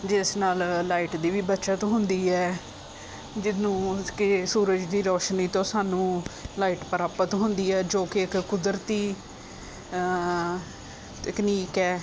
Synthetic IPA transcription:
d͡ʒɪsnaːllaːiʈd̪iːʋiːbətːʃaːt̪õːɦʊnd̪iːɛː | d͡ʒɪnũːkɪsuːɾəd͡ʒd̪iːɾɔːʃniːt̪õːsaːnũːlaːiːʈpəɾaːpət̪ɦʊnd̪iːɛːd͡ʒoːkɪɪkkʊd̪ɾət̪iː | t̪əkniːkɛː

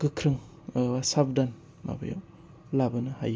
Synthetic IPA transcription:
ɡ̥ɯkʰɾɯŋ | asab̚dan | ma̰ba̰ja̰w | labɐnɯha̰j

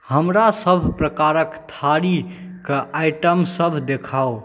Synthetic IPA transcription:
həmɾasəbʱpɾəkaɾəkt̪ʰaɾikaʔaɪʈəmsəbʱd̪ekʰao

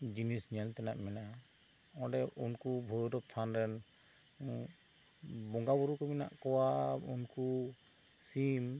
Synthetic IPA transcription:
d͡ʒinisnialt̪ɛnaʔmɛna | ɔɖɛunkubʱɔɾɔdɔp̚t̪ʰanɾɛn | bɔŋɡabuɾukɔmina̰ʔkɔwaṵnku | sim

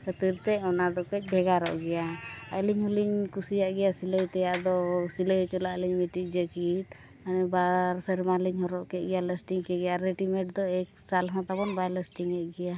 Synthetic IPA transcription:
kət̪iɾt̪ɛɔnaɖɔkəc̚bʱɛɡaɾɔ̰ʔɡɛjaəliɲhuliɲkusijaʔɡɛjasiləjt̪ɛjaʔd̪ɔsiləjt͡ʃɔlaʔliɲmiʈid͡ʒəkiʈ | anɛbaɾsəɾimaliɲɦɔɾɔʔkɛʔ̚ɡɛjaləsʈiŋkɛɡɛjaɾeʈimɛʈ̚d̪ɔɛksalɦɔ̃t̪abɔnbajləsʈiŋɛʔɡɛja

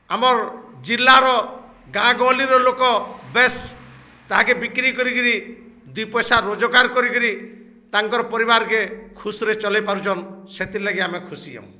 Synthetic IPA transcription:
amɔɾd͡ʒilːaɾɔ | ɡãɡɔ̃liɾɔlokɔbes | t̪aɦakebikɾikɔɾikɔɾi | d̪ujpɔjsaɾod͡ʒɔkaɾkɔɾikɔɾi | t̪aŋkɔɾɔpɔɾibaɾkekʰusɾet͡ʃɔlejpaɾut͡ʃʰɔnset̪ilaɡiamekʰusijɔ̰̃w̃

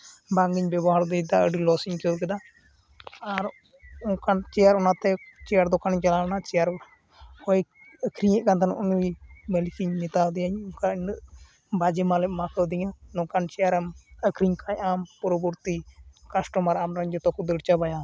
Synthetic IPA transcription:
baŋɡiɲbɛbɔɦaɾd̪ɛd̪aəɖilɔsiɲkɔwk̬ɛd̪aː | ɾ | ɔkant͡ʃɛjaɾɔnat̪ɛt͡ʃɛjaɾd̪ɔkanɲt͡ʃɛlanat͡ʃɛjaɾ | hɔj | əkʰɾiɲɛʔ̚kant̪ʰanʔunuibɛlkiɲmit̪awd̪ɛjaɲukaɲɨʔ | bad͡ʒɛmalɛʔmakəwd̪iɲanɔkant͡ʃɛjaɾaməkʰɾiɲkʰaɲampɔɾɔbɔɾt̪ikasʈɔmaɾamɾaɲd͡ʒɔt̪ɔkud̪əɽt͡ʃabaja

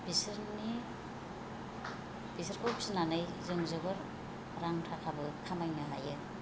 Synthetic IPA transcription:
bisɯɾni | b̥isɐɾkʰojpsinanɯjzɯŋzɯbɯɾ | ɾaŋtʰakʰabɯkʰamajnɯɦajɯ

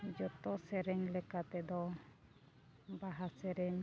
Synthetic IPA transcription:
d͡ʒɔt̪ɔsɛɾɛɲlɛkat̪ɛd̪ɔ | baɦasɛɾɛɲ

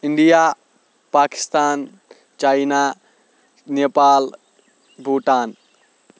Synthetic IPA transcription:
iɳɖija | paːki̥st̪aːn | t͡ʃajna | neːpaːl | bʱuːʈaːn

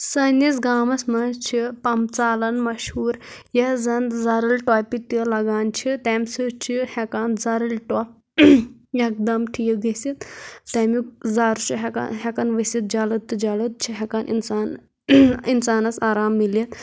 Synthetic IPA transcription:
sɐnjis̬ɡaːmɐsmɐt͡ʃʰipɐmt͡saːlɐnmɐʃhuːɾjɐzɐnzɐɾɨlʈɔːpit̪ɐlɐɡaːnt͡ʃʰit̪ɛmʲsɨt͡ʃʰihɛkaːnzɐɾɨlʈɔ | jɐk̚d̪ɐmʈʰijɡɐsit̪t̪ɐmik̚zaːɾut͡ʃʰiɦɛka̰ɦɛkɐnʋɐsit̪̚d͡ʒɐlɐt̪ːɨd͡ʒɐlɐt̪̚t͡ʃʰiɦɛkanʔḭnsaːn | insaːnɐsaːɾaːmːilɐt̪

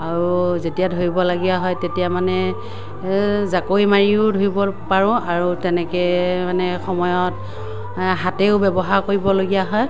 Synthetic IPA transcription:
aɹuzetijadʱoɹibɔlaɡijaɦɔjtetijamanɛ | zakoimaɹiʊdʱoɹibɔpaɹʊ̃aɹutɛnɛkɛmanɛxɔmɔjɔt | ɦateʊbɛbɔɦaɹkoɹibɔloɡijaɦɔj

